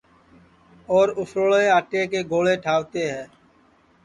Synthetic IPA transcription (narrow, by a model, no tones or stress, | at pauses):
ɔːɾʊfɾoɭeːaːʈeːkeːɡoːleːʈʰaːʋt̪eːɦɛ̃ː